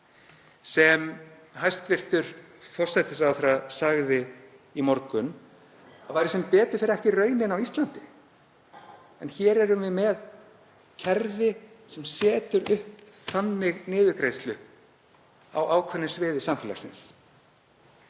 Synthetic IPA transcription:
sɛm | hajst̪vɪr̥t̪ʏɾ̥ | fɔr̥sɛt̪ɪsawθɪɾasaɣðɪ | imɔɾkʏn | avaːjɾɪsɛmpɛːt̪ʏɾ̥fɪːɾɛhcɪrœːɥnɪnawist̪lant̪ɪ | ɛnçɛɾɛɾʏmvɪmɛð | cʰɛɾvɪ | sɛmsɛːt̪ʏɾʏhp | θanːɪɣnɪːðʏkɾejst̪lʏ | a̰waːwkʰvɛnːɪsvɪːðɪsamfɪːla̰sɪns

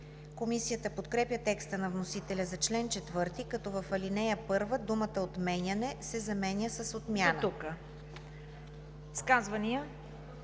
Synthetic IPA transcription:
komisijət̪əpot̪kɾɛpjət̪ɛkst̪ənɐvnosit̪ɛlʲɐzɐt͡ʃlɛnt͡ʃɛt̪vɤɾt̪ikɐt̪ɔvɐfɐlinɛjəpɤɾvəd̪umət̪əot̪mɛnʲjɐnɛsɛzɐmɛnʲəsəsot̪mʲjanət̪ukə | skazvɐniə

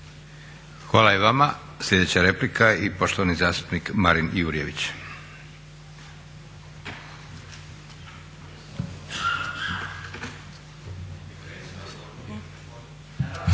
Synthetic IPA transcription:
xʋaːlajeʋama | slʎʲe̞d̪et͡ɕaɾe̞plikʰaipo̞ʃt̪oʋanizaːst̪u̥pnikmaɾinjuːɾije̞ʋit͡ɕ

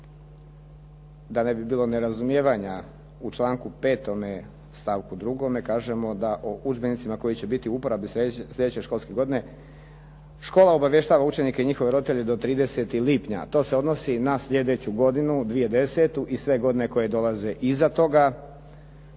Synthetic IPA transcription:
d̪ane̞bibiːlo̞neɾazumjeːʋaɲa | ut͡ʃlˠaːŋkupe̞ːt̪o̞me̞ | st̪aʋkud̪ɾuɡo̞me̞kaːʒe̞mo̞d̪aʔoʔud͡ʒbe̞nit̪simako̞jit͡ɕe̞bit̪iuupoɾabislʲʎe̞d̪et͡ɕe̞ʃko̞lˠske̞ɡo̞d̪ine̞ | ʃko̞ːlaobaʋje̞ʃt̪aːʋaut͡ʃe̞nikeiɲixo̞ʋe̞ɾo̞d̪it̪eʎe̞d̪o̞t̪ɾiːd̪e̞se̞t̪ilipɲa̰t̪o̞ːseo̞d̪no̞sinasʎʲe̞d̪e̞t͡ɕuɡo̞d̪inud̪ʋije̞d̪e̞se̞t̪uʔisʋe̞ɡo̞d̪ine̞ko̞je̞d̪o̞lˠaze̞ʔizat̪o̞ɡa

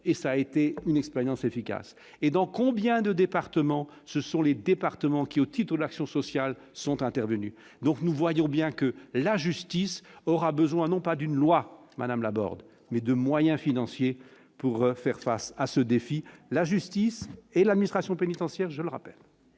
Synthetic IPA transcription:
esaːet̪eynɛkspɛʁjɑ̃sefika̰s | ed̪ɑ̃kɔ̃bjɛ̃d̪əd̪epaʁt̪əmɑ̃ | səsɔ̃led̪epaʁt̪əmɑ̃kʲiot̪ʰit̪χəd̪aksjɔ̃sɔsjal | sɔ̃t̪ɛ̃t̪ɛʁvəny | d̪ɔ̃knuvwajɔ̃bjɛ̃kəlaʒyst̪isɔʁabəzwɛ̃nɔ̃pad̪ynlwama̰d̪amla̰bɔ̰ʁd̪ | mɛd̪əmwajɛ̃finɑ̃sje | puʁfɛʁfa̰sasəd̪efilaʒyst̪iselad̪minist̪χasjɔ̃penit̪ɑ̃sjɛʁʒələʁa̰pɛ̰l

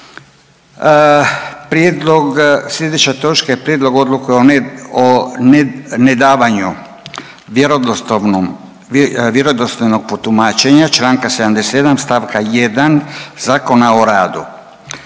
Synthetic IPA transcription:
pɾjed̪loɡslʲe̞d̪et͡ʃat̪o̞t͡ʃkaepɾjed̪lo̞ɡo̞d̪lukujeo | ne̞d̪aːʋaɲu | ɾ | ʋjeɾod̪ost̪ojno̞ɡ̚pot̪umaːt͡ʃe̞ɲat͡ʃlaːŋkased̪amd̪esed̪amst̪aʋkaje̞d̪anz̥aːko̞nao̞ɾaːd̪u

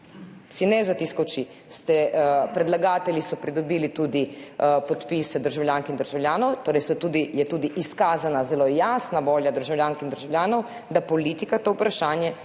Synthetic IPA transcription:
sinɛzat̪iskowt͡ʃi | st̪ɛpɾɛd̪laɡaːt̪ɛlʲisɔpɾid̪ɔbiːlit̪uːd̪ipɔt̪pisɛd̪əɾʒawljaːŋkind̪əɾʒawlʲjaːnɔwt̪oːɾɛjsɔt̪uːd̪ijɛt̪uːd̪iʔiskaːzanazɛlojaːsnaʋoːljad̪əɾʒawlʲjaːŋkind̪əɾʒawlʲjʲaːnɔw | d̪apɔlit̪ikat̪oːupɾaʃaːnjɛ

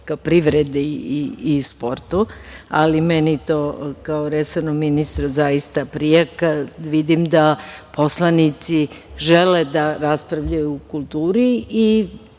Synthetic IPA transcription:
kapɾiʋɾed̪eiːspo̞ɾt̪ua̰limenit̪okaoɾesonominist̪ɾozajist̪apɾijekaʋid̪imd̪apʰo̞slˠanit̪siʒeled̪aɾaspɾaʋʎajuːkulˠt̪uːɾii

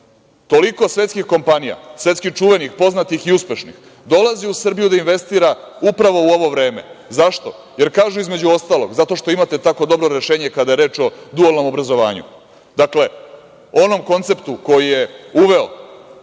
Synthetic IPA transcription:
t̪o̞liko̞sʋe̞t̪skixko̞mpanija̰sʋe̞t̪skixt͡ʃuʋe̞nixpo̞znat̪ixiuspe̞ʃnḭx | d̪o̞laziusr̩bijud̪ainʋe̞st̪iːɾa | upɾaʋo̞uo̞ʋo̞ʋɾe̞ːme̞̰zaʃt̪o̞ | jeɾkaːʒuizme̞d͡ʑuo̞st̪aːlˠo̞̰ɡzat̪o̞ʃt̪o̞imat̪e̞t̪ako̞d̪o̞bɾoɾe̞ʃeːɲekad̪ajeɾe̞ːt͡ʃo̞d̪uolno̞mo̞bɾazo̞ʋa̰ːɲṵ | d̪̥akle̞ | o̞no̞mko̞nt̪se̞pt̪uko̞jije̞uʋe̞o

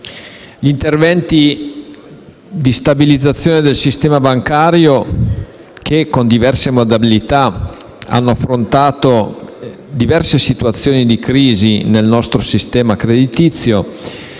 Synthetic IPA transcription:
ʎint̪ervɛnt̪i | d̪ist̪abilid̪zːat̪sːjoːned̪elsist̪ɛːmabaŋkaːɾjo | kʰekond̪ivɛrsemod̪abilit̪a | a̰nːoafːɾont̪aːt̪o | d̪ivɛrsesit̪uat̪sːjoːnid̪ikɾiːzinelnɔst̪ɾosist̪ɛːmakɾed̪it̪it̪sːjo

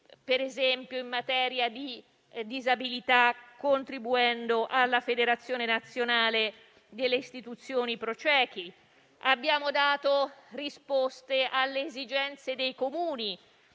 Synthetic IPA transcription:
peɾezɛmpjoimːat̪ɛːɾjad̪i | d̪izabilit̪akːont̪ɾibuɛnd̪oʔalːafed̪eɾat̪sːjoːnenat̪sːjonaːle | d̪elːeist̪it̪ut̪sːjoːnipɾot͡ʃɛːk̟i | abːjaːmod̪aːt̪orispost̪ealːeːzid͡ʒɛnt̪sed̪ejkomuːni

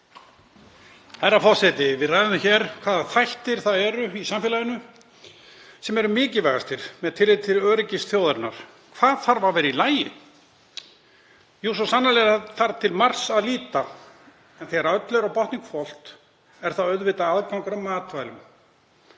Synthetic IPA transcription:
hajɾːafɔ̥sɛt̪ɪvɪðrajðʏnçɛɾ̥kʰv̥aːðaθajht̪ɪɾ̥θaðɛɾʏisamfɛlajɪnʏ | sɛmɛɾʏmɪːcɪvɛɣast̪ʰɪɾ̥mɛðt̪ʰɪlɪt̪ʰɪlœːɾɪcɪsθjowðaɾna̰ɾ̥ | kʰv̥aːðθaɾvaɾvɛːɾɪilaːjɪ̰ | jus̬ɔsanːalɛaθaɾt̪ʰɪlmar̥saðliːt̪a | ɛnθɛɣaɾaœt̪lœɾawpɔht̪niŋkfɔl̥t̪ | ɛɾ̥θawœðvɪt̪aaðkawŋkaɾamaːt̪vajlʏm

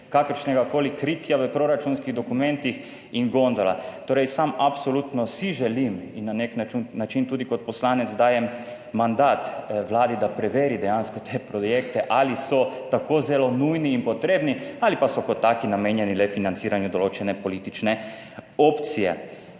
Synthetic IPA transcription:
kakəɾʃnɛɡakoːlikɾit̪jaʋəpɾoɾat͡ʃunskiɣd̪okumɛ̃nt̪ix | iŋɡond̪ala̰t̪oːɾɛjsamapsolut̪nɔsiʒɛliminːaneknat͡ʃunnat͡ʃint̪uːd̪ikot̪̚pɔslaːnɛt̪zd̪aːjɛm | mand̪aːt̪ʋlaːd̪id̪apɾɛʋeːɾid̪ɛjanskɔt̪ʰepɾojekt̪ɛʔalisɔt̪akʰoːzɛlonujniːnpɔt̪ɾeːbnialipasɔkɔt̪ːaːkinameːnjɛnilɛfinant̪siːɾanjud̪oloːt͡ʃɛnɛpoliːt̪it͡ʃnɛ | opt̪sijɛ̰

